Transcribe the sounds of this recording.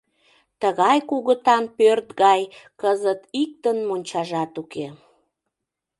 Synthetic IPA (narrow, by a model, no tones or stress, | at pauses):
t̪əɣɑjkuɣət̪ɑnpørt̪ɣɑjkəzət̪ik̚t̪ənmonʲt͡ɕɑʒɑt̪uke